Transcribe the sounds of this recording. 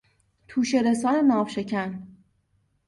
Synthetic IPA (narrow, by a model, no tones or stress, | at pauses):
t̪ʰuːʃe̞ɾesɒːɾenɒːvʃe̞cʰæn